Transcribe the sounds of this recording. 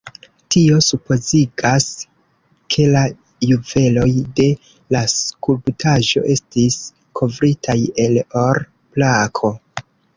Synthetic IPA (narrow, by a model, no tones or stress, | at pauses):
tio̞supo̞ziɡas | kʰe̞la | juve̞lo̞jde̞ | laskulbtʰaʒo̞̰ʔe̞stis | kʰo̞vɾitʰaje̞lo̞ɾ | plakʰo̞